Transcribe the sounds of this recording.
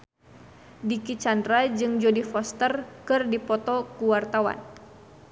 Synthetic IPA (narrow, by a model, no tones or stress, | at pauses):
dikit͡ʃandɾad͡ʒɨŋd͡ʒodifɔst̪ərkɨrdipɔt̪ɔkuwart̪awa̰n